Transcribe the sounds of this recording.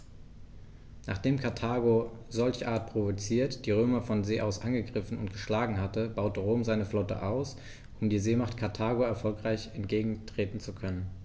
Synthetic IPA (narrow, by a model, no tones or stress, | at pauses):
naːχd̥eːmkʰaɐtʰaːɡozɔlçʔaːɐt̚pʁ̥ovot͡siːɐtd̥iːʁ̞øːmɐfɔnzeːʔaʊsʔanɡəɡʁɪfn̩ʊ̰ntɡ̥əʃlaːɡŋ̩ɦatəbaʊtəʁoːmzaɪnəflɔtə̰ʔaʊs | ʔʊmdiːzeːmaχtkʰaɐtʰaːɡoɛɐfɔlkʁ̥aɪçɛntɡ̥eːɡŋ̩tʁ̥eːtn̩t͡sukʰœnən